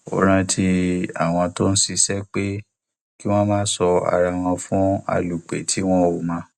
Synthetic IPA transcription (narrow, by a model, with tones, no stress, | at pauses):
o̰˨ɾ̃ã˧tʰi˧a̰˨w̃ɔ̃˧to˦n̩˦si˧sɛ˦k͡pe˦ | ki˦w̃ɔ̃˦mãː˦sɔ˧a̰˨ɾa˧˨w̃ɔ̃˧fũ˦a̰˧lu˨k͡pḛ˨tʰi˨˦w̃ɔ̃˦o˨mã˨˧˦